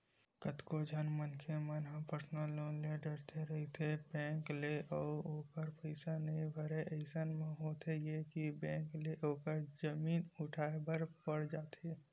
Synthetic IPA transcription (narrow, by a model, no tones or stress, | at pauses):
kət̪kod͡ʒʱənmənkʰemənɦə̃pəɾsnəlːoːnleɖəɾt̪ʰeɾɐɦit̪ʰebɛ̃ːkleʔɔːɾoːkəɾpəɪsanəɦĩbʱəɾeəɪsanmẽɦoːt̪ʰejekibɛ̃ːŋkleʔoːkəɾd͡ʒəmiːnʊʈʰaːebəɾpəɽd͡ʒaːt̪ʰe